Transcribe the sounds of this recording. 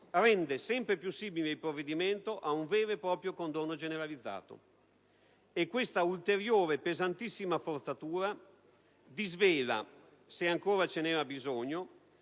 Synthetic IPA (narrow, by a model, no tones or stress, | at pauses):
rɛnd̪esɛmpɾepjusːiːmileilpɾovːed̪iment̪oʔauɱveːɾepɾɔːpɾjokond̪onːod͡ʒeneɾalid̪zːa̰ːt̪o̰ | ekwest̪ault̪eɾjoːɾepezant̪isːimafort̪sat̪uːɾa | d̪izveːla̰ | seaŋkoːɾat͡ʃenɛːɾabizoɲːo